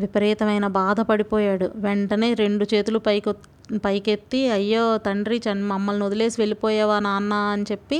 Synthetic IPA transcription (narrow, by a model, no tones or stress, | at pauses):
ʋipɐɾiːt̪ɐmɐjnɐbaːd̪ʱɐpɐɽipɔːjaːɽuʋeɳʈɐne̞ːɾe̞ɳɖut͡ʃe̞ːt̪ulupɐk | pɐjke̞t̪ːiɐjːoːt̪ɐɳɖɾit͡ʃɐnmɐmːɐlniod̪ɐle̞ːsiʋe̞lipɔːjɛːʋaːnaːnːaːɐnit͡ʃe̞pːi